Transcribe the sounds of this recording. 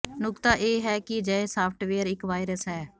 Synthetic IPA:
nʊkt̪aːʔeːɦɛːkɪd͡ʒəːeːsaːpʰʈʋeːəɾɪkʋaːɪɾəsɦɛː

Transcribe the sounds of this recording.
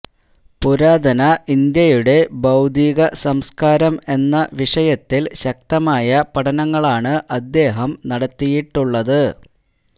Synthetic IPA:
puɾaːd̪ʱɐnɐʔind̪jɐjuɽe̞bɐwd̪ʱiːɣɐsɐmskaːɾɐme̞nːɐʋiʂɐjɐt̪ːilɕɐk̚t̪ɐmaːjɐpɐʈɐnɐŋːɐɭaːɳɨʔɐd̪ːe̞ːɦɐmnɐɽɐt̪ːijiʈːuɭːɐðɨ

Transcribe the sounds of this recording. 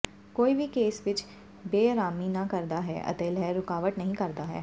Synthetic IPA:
koːibikeːsʋɪt͡ʃ | beːɾaːmiːnakəɾd̪aːɦɛ̰ːʔə̰t̪eːlɛːɾːʊkaːʋəʈ̪nəɦĩːkəɾd̪aːɦɛ̰ː

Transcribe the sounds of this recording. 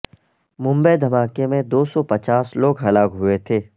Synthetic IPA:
mʊ̃mbəjd̪ʱɐmaːkemẽd̪oːsɔpɐt͡ʃaːsloːɡɦɐlaːkɦʊet̪ʰeː

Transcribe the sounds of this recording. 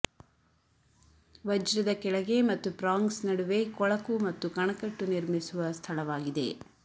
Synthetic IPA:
ʋɐd͡ʒɾɐd̪ɐkɛɭɐɡe̞mɐt̪ːupɾaːŋɡsnɐɽuʋe̞kɔɭɐkumɐt̪ːukɐɳɐkɐʈːuniɾmisuʋɐst̪ʰɐlɐʋaːɡid̪e̞̰

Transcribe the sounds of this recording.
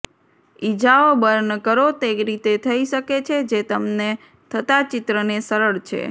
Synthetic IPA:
id͡ʒaobəɾnəkəɾot̪eɾit̪et̪ʰəiʃəket͡ʃʰed͡ʒet̪əmne | t̪ʰət̪at͡ʃɪt̪ɾənesəɾəɭt͡ʃʰḛ

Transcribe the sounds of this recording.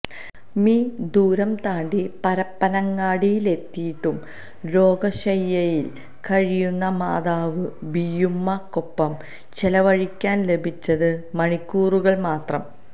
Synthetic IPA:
miːd̪uːɾɐmt̪aːɳɖipɐɾɐpːɐnɐŋːaːɽijile̞t̪ːijiʈːum | ɾo̞ːɡɐɕɐjːɐjil | kɐɻijunːɐma̰ːðaːʋɨbijumːɐkːopːɐm | t͡ɕelɐʋɐɻikʲːaːnle̞bʱit͡ɕːɐðɨmɐɳikʲːuːruɣɐɭmaːt̪rɐm

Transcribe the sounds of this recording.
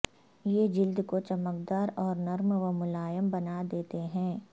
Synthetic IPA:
jeːd͡ʒɪld̪kot͡ʃɐmək̚d̪aːɾɔːɾnɐɾmʋəmʊlaːjəmbɐnad̪eːt̪eɦɛ̃ː

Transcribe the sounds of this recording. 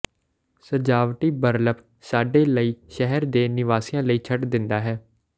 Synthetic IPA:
səd͡ʒaːʋʈiːbəɾləp | saːɖeːləiːʃɛɦɛɾd̪eːnɪʋaːsiːãːləiːt͡ʃʰəʈd̪ɪnd̪aːɦɛː

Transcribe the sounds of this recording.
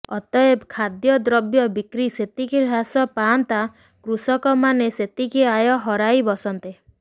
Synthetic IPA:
ɔ̰t̪ɔebkʰad̪jɔd̪ɾɔbjɔbikɾiset̪ikiɾʱasɔpant̪a | kɾusɔkɔmaneset̪ikiajɔɦɔɾajbɔsɔnt̪e

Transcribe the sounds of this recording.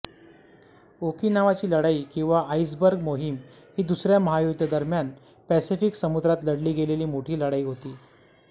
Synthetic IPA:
okiːnaʋat͡ɕiːləɽaiːkĩw̃ʋaʔais̬bəɾɡmoɦim | hiːd̪usɾjaməɦajuɡd̪ʱjəd̪əɾmjan | pæsifiksəmud̪ɾat̪ləɽliːɡeleliːmoʈʰiːləɽaiːɦot̪iː

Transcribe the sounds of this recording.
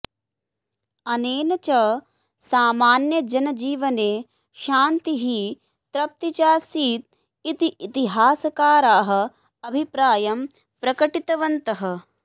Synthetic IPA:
ɐneːnɐt͡ʃɐ | saːmaːnjɐd͡ʒɐnɐd͡ʒiːʋɐneː | ʃaːnt̪iɦi | t̪ɾɐp̚t̪it͡ʃaːsiːt̪̚ | it̪iʔit̪iɦaːsɐkaːɾaːɦɐ̆ | ɐbʱipɾaːjɐm | pɾɐkɐʈit̪ɐʋɐnt̪ɐɦɐ̆

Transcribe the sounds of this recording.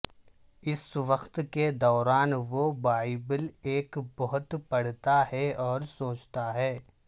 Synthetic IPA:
ɪsʋɐxt̪ked̪ɔːɾaːnʋobaːibəleːkbɐɦʊt̪pɐɽt̪ahɛɔːɾsoːt͡ʃt̪aɦɛː

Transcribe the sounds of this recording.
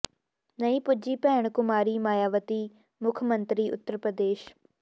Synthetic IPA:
nəĩːpʊd͡ʒiːpɛːɳ̃kʊmaːɾiːmaːjaːʋət̪iː | mʊkʰmənt̪ɾiːʊ̰t̪ːəɾpɾəd̪eːʃ

